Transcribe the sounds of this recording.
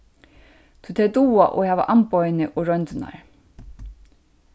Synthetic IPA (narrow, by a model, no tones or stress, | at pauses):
t̪ʰʉt̪ʰɛːd̪uːaʔo̰hæːʋa̰ʔampɔjnɪʔoɾœnt̪na̰ɹ